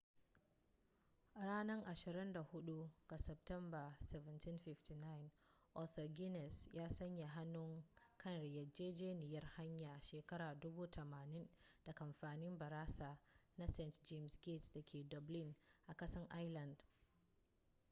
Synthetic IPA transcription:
ɽaː˦nɐ˦ŋʔa˨ʃɪ˨ɾɪ˦nda˨hʊ˦ɗu˦ɡ̥a˨sɛ˨p̚tɛ˦mba˨sɛ˨vɛ˨nti˦nɸɪ˦fti˨na˦jɪ˨n | ʔɔ˦˨θɔ˨ɡʲɪ˦nɛ˨sjaː˦sɐ˦ɲja˨ɦa˦nːʊ˦ŋkʰɐ˦˨nɾɪ˨jɐ˨d͡ʒeː˦d͡ʒeː˦nɪ˨jɐ˦rha˦ɲjaː˨ʃeː˨kɐ˦ɾaː˨dʊ˦buː˦tʰɐ˨maː˨nɪ˦nd̥a˨ʔa˨mɸaː˨nɪ˦mbɐ˨ɾaː˦saː˨na˦sɛ˦˨ntd͡ʒe˦msɡe˦˨tsdɐ˨kʲʰeː˨dɔ˨blɪ˦nʔa˨kɐ˦sɐ˦ŋʔa˦jlɐ˨nd

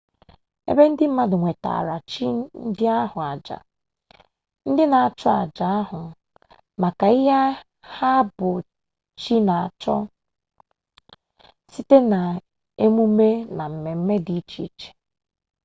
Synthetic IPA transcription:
ḛ˦be˦n̩˦dɪ˦m̩˦ma˦dʊ˨ŋʷe˨ta̰˨ɾa˨t͡ʃi˦n̩˦dɪ˦a˦ɦʊ˨a˨d͡ʒa̰˨ | n̩˦dɪ˦na˨a˨t͡ʃɔ˦a˨d͡ʒa˨a˦ɦʊ˨ | ma˨ka˨ɪ˦ɦa˦ | ha˦bʊ˨ | t͡ʃi˦na˨a˨t͡ʃɔ˦ | si˦te˦na˨ | e˦mu˦me˦na˨m̩˨me˨m̩˦me˦di˨˦t͡ʃḭ˦t͡ʃe̥˨

